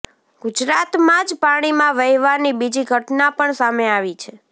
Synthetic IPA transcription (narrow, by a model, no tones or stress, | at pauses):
ɡ̥ʊd͡ʒɾat̪mãd͡ʒpaɽ̃imãʋəjʋaɾnibid͡ʒiɡʱəʈnapəɳsameaʋit͡ʃʰe